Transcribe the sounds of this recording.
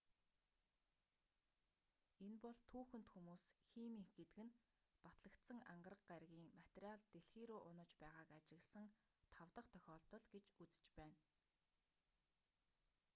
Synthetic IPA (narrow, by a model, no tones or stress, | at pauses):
enpɔɮt̪ʰuːxɵ̆n̥t̪xumuːsxiːmiːŋxɡet̪ɘ̆ɡɘ̆n | pat̪ɮə̆kt̪sə̆ŋa̰ɴɢə̆rə̆qɢaɾɣʲiːŋmat̪rʲaɮt̪eɬxeːɾuːʔʊnə̆t͡ɕpæːʁaːkat͡ɕɪ̆ɣɮsə̆ŋ | t̪ʰawt̪ə̆qt̪ʰœxʲɔːɮt̪ɞ̆ɮɡet͡ɕut͡sɘ̥̆t͡ɕpæːn